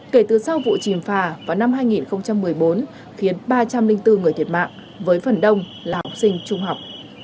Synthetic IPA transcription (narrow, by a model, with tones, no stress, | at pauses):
ke˧˩t̪ɨ˨˩sa˧wvṵ˧˨t͡ɕi˨˩mfaː˨˩vaː˨˩wna˧mɦaː˧jŋi˨˩nxə˧wŋ͡mt͡ɕa˧mːɨ˨˩əjɓo˨˦n | xi˨˦ənɓaː˧t͡ɕa˧mlï˧ŋ̟t̪ɨ˧ŋ˨˩ət̪ʰi˨˩t̚ma̰ː˧˨ŋʔ | vəː˨˦jfə˨˩nɗə˧wŋ͡m | laː˨˩hɔ˨˩k͡p̚sï˧ŋ̟t͡ɕʊ˧ŋ͡mha˨˩wk͡p̚